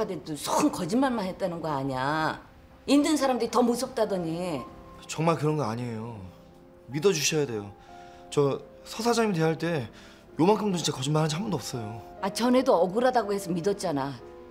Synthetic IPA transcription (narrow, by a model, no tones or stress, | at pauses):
adedosʰokɯnkʌd͡ʑimanmanɦet̚t͈anɯnɡʌaɲa | indɯnsʰaɾamdɯɾitʌmosʰʌp̚t͈adʌɲi | t͡ɕʌŋmaɭkɯɾʌnɡʌaɲiejo | midʌd͡ʑuɕʰʌjade̞jo | t͡ɕʌ | sʰʌsʰad͡ʑaimitwe̞ɦaɭt͈e̞ | jomaŋkʰɯmdot͡ɕʰint͡ɕakʌd͡ʑinmanɦad͡ʑiɦambʌndoʌps͈ʌjoat͡ɕʌne̞doʌɡɯɾadaɡoɦe̞sʰʌmidʌt̚t͡ɕ͈ana